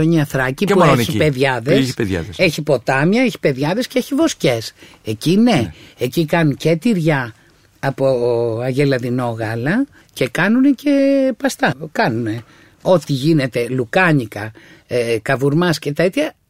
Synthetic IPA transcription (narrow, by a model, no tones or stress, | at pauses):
ɲɐθɾɐcipçipe̞ðʝɐðesçpejɐ̰ðseçipo̞t̪ɐmjɐeçi̥pe̞ðʝɐðe̞sceeçivo̞sce̞s | e̞cine̞ecikɐnuŋce̞t̪iɾʝɐː | poɐʝe̞lɐðino̞ɣɐlɐ | ce̞kɐnunece̞pɐst̪ɐkɐnune̞ | o̞t̪iʝine̞t̪e̞lukɐɲikɐ | kɐvuɾmɐsce̞t̪et̪çɐ